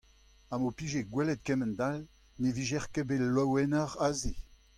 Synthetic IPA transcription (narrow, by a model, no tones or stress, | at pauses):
amopiʒeɡwɛlɛt̪̚kɛmɛnd̪al | neviʒɛʁkebelwɔwɛnəʁaze